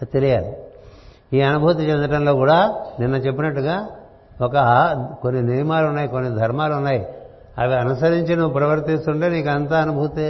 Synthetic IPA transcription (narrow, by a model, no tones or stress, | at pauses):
t̪elijaːli | iːɐnubʱuːt̪̬it͡ʃend̪ɐʈɐnlo̞ːkuːɽaːninːɐt͡ʃe̞pːinɐʈːuɡaː | okɐko̞nːinimaːluunːaːjiko̞nːid̪ʱɐɾmaːlunːaːji | ɐʋeɐnusɐɾiɲt͡ʃinupɾɐʋɐɾt̪ist̪uɳʈeːniːkuɐnt̪aːɐnubʱut̪i